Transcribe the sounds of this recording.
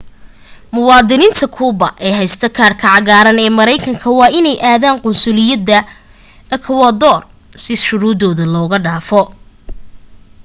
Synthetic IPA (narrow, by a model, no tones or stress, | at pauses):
mʊwɑːd̪ɪniɪːnt̪ʰɐkʰuːbɐʔɛːɦɛjst̪ʰɐkʰaːrkʰɐʕɑɣaːɾɐnɛːmɐɾɛjkʰɐŋkʰɐwɑːʔɪnɛjʔaːðaːŋqʊnsʊlɪjɐd̪ɐ | ɛkʰɐwɐd̪ɔːr | sɪʃʊɾuːd̪ɔːðɐlɔːɣɐɖaːfɔ